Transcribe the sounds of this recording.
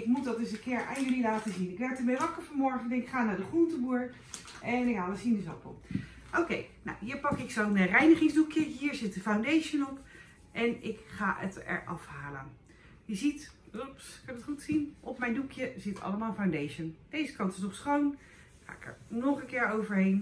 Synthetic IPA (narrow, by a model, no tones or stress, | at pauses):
ɪk̚mut̚dɑdəsəkɪːɹa̰ːnjɵlilaːtəzinɪkʋɛɹtəmejʋɑkəɹfɑnmɔɹχəndɛnɪkχaːnaɹdəχruntəbuːɹ | ɛnɪkɦaːləsindəzɔpə̰ | ʔowkejna̰wɦiːɹpɑkɪksownərɛjnəχɪŋzdukjəɦiːɹzɪtəfawndejʃənɔp | ʔɛnɪkχaːʔə̰tɛ̰ɹʔɑfhaːlə̰n | jəzitrɔpskɑnətχutsinʔɔpmɛjndukʰjəzɪtʰɑ̰ləmaːlˠəfawndejʃənd̥ejzəkɑntɪ̥snɔχsχown | χa̰ːɪkə̰ɹnɔχənkɪːɹowvəɹɦejn